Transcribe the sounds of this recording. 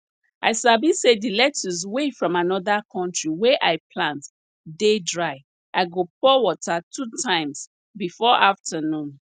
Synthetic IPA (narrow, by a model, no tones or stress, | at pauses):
aɪsabisedilɛtuz̬wefɹɔ̃manɔðakʰɔ̃ntɹiwɛʔaɪpʰlãnt | dedɹaɪ | ʔaɪɡopɔwɔtatʰutʰãɪ̃ms | bifɔʔaftʰənũn